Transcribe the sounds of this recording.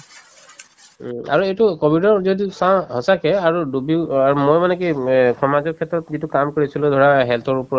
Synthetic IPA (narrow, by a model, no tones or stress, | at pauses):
a̰ɹuejtukobʱidɔɹzodisãɦɔsakɛaɹudubiaumojmanɛkikʰɔmazɔkʰɛtɹɔtzitukamkoɹisilʊdʱɔɹaɦɛltʰɔɹupɔɹɔt